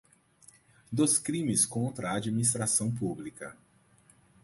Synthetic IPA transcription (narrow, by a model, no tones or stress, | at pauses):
d̪oskɾĩmɪskõnt̪ɾɐːd͡ʒiminist̪ɾasɐ̃w̃publikɐ